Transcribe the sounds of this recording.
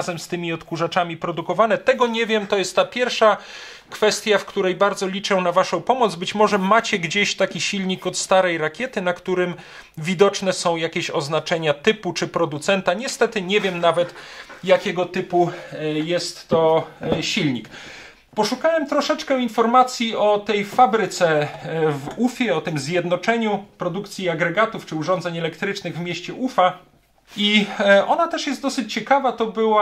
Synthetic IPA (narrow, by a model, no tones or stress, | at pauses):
zɛmst̪ɘmʲiɔt̪kuʐat͡ʂamʲipɾɔd̪ukɔvanɛt̪ɛɡɔɲɛvʲjɛmt̪ɔjɛst̪ːapʲjɛɾfʂa | kfɛst̪ʲjafkt̪uɾɛjbaɾd̪zɔlʲit͡ʂɛnavaʂɔ̃w̃pɔmɔd̪zbɘt͡ɕmɔʐɛmat͡ɕɛɡd͡ʑeɕt̪akʲiɕilɲikɔt̪st̪aɾɛjɾakʲjɛt̪ɘnakt̪uɾɘm | vʲid̪ɔt͡ʂnɛsɔ̃w̃jakʲeɕɔ̰znat͡ʂɛɲat̪ɘput͡ʂɘpɾɔd̪ut̪sɛnt̪aɲɛst̪ɛt̪ɘɲɛvʲjɛmnavɛt̪jakʲɛɡɔt̪ɘpujɛst̪ːɔɕilɲik | pɔʂukawɛmt̪ɾɔʂɛt͡ʂkɛinfɔɾmat̪sʲjiɔt̪ɛjfabɾɘt̪sɛvufʲjɛɔt̪ɘmzʲjɛd̪nɔt͡ʂɛɲupɾɔd̪ukt̪sʲjiaɡɾɛɡat̪uft͡ʂɘuʐɔnzɛɲɛlɛkt̪ɾɘt͡ʂnɘɣvmʲjeɕt͡ɕɛʔufa | iʔɔnat̪ɛʂjɛst̪d̪ɔsɘt͡ɕt͡ɕɛkavat̪ɔbɘwa